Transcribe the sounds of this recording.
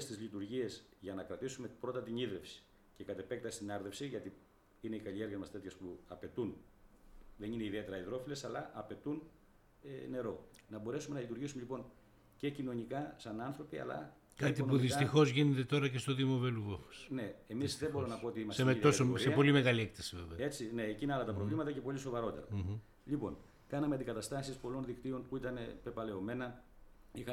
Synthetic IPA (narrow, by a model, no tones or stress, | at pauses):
est̪izlit̪uɾʝie̞zʝɐnɐkɾɐt̪isumepɾo̞t̪ɐt̪iɲiðɾe̞fsi̥ | ce̞kɐt̪e̞pek̚t̪ɐst̪inɐɾðe̞fsiʝɐt̪i | ine̞ikɐʎie̞ɾɣɐzmɐst̪e̞t̪çɐspuɐpe̞t̪un | ðe̞nine̞iðie̞t̪e̞ɾɐiðɾo̞file̞sɐlɐʔɐpe̞t̪un | ene̞ɾo̞nɐbo̞ɾe̞sume̞nɐlit̪uɾʝisumeʎipo̞n | ce̞cino̞nikɐsɐnɐnθɾo̞piɐ̰lɐ̰ | kat̪ionpuðisɐt̪ixo̞zʝinet̪et̪o̞ɾɐcest̪oðimoveluɣofo̥sne̞emisðebo̞ɾonɐpo̞ot̪iimɐsmeiðosooɾsieɐpo̞limeɣaliekt̪ɐsiveveɐe̞t͡sine̞ːcineɐlɐt̪ɐpɾovlimɐt̪ɐce̞po̞liso̞vɐɾo̞t̪eɾɐ̰ | ʎipo̞̰n | kɐnɐmeɐt̪iɡɐt̪ɐst̪ɐsispo̞lo̞nðikt̪io̞npuit̪ɐne̞pe̞pɐle̞o̞me̞nɐ | ixɐ